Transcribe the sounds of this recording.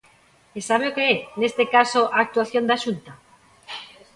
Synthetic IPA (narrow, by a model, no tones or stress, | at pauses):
esaβ̞eokeɛnest̪ekasoʔaːk̚t̪uaθjond̪aʃunt̪a